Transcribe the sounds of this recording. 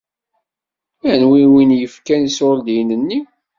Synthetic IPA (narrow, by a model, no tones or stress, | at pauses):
ænwiwinjəfkænisʊld̪jnənːi